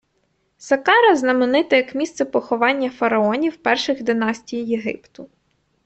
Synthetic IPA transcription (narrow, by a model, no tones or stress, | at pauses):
sɐkɑɾɐznɐmenɪt̪ɪjɐkmʲist̪sɛpɔxɔʋɑnʲːɐfɐɾɐɔnʲiwpɛrʃɪɣd̪ɪnɑsʲtʲijjeɦɪ̰pt̪ʊ